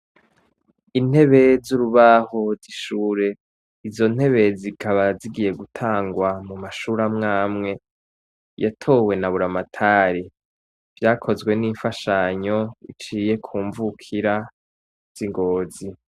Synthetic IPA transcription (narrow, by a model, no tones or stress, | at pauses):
in̥he̞βe̞zuɾuβaho̞ziʃuːɾe̞ | izo̞n̥he̞βe̞zikʰaβaziɡije̞ɡutʰaːŋɡwamumaʃuːɾamŋaːmŋe̞ | jatʰo̞we̞naβuɾamatʰaɾi | vjaːkʰo̞zɡwe̞niːɱfaʃaɲo̞it͡ʃiːje̞kʰuːɱvukʰiɾa | z̥iŋɡoːzi